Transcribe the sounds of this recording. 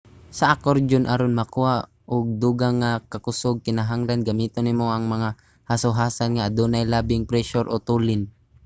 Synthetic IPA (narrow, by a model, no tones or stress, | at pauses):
sɐʔakoɾd͡ʒonʔaɾonmɐkua | ʔoɡ̚d̪uːɡaŋakɐkʊsoɡ̚kɪnaɦaŋlanɡɐmiːt̪onːɪmoʔɐŋmɐŋa | hasʊɦaːsanŋaʔːd̪uːnajlaːbɪŋpɾɛʃoɾʔot̪uːlɪn